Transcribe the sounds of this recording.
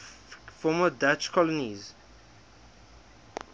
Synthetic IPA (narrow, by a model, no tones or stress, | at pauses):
fɔmədat͡ʃkʰɔləniz